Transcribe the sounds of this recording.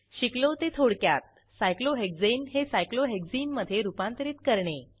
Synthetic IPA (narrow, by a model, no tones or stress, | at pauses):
ɕiklot̪et̪ʰoɽkjat̪̚ | sajkloɦek̚d͡zinɦesajkloɦek̚d͡ziːnməd̪ʱːjeɾupãnt̪əɾiːt̪kəɾɳe